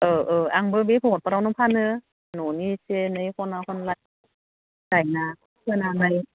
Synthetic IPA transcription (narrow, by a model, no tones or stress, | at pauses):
ʔɤːʔɤːʔaŋbɯbipʰot̚paɾanupʰaːnɯ | nunisenɯjkʰɔnakʰɔnlaj | kajna | kʰɯnalaj